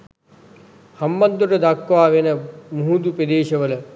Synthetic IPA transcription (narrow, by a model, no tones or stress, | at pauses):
hɐmbɐnd̪ʱuʈɐd̪akːʋaːʋenɐmuɦud̪uped̪eːʃɐʋɐlɐ